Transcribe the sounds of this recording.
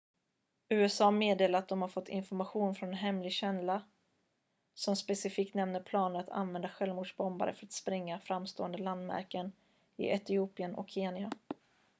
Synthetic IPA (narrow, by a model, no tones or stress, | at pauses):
ʉ̟ːɛsɑːmeːd̪eːlaɾt̪̚d̪ɔmhaɾfɔt̪ʰːɪ̰nfɔɾmaɧuːnfɾɔnɛnɦɛmlɪɡɕɛnla | sɔmspɛsɪfiːk̚t̪nɛmnəɾpʰlɑːnəɾat̪ʰa̰nvɛnd̪aɧɛlvmuːɖʂbɔmba̰ɾə̰fœɾat̪spɾɪŋːafɾamst̪oːənd̪əland̪mæ̰ɾkən | ɪ̰ʔɛt̪ɪuːpɪənʔɔ̰kʰːeːnɪa